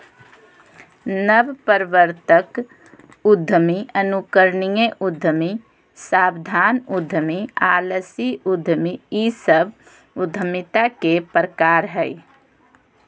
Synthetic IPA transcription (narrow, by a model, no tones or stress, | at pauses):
nəbpəɾʋəɾt̪ək | ʊd̪ʱːəmiənukəɾnijeʔʊd̪ʱːəmi | saːbd̪ʱaːnʊd̪ʱːəmiaːləsiʊd̪ʱːəmiisəb | ʊd̪ʱəmit̪akepɾəkaːɾɦɛi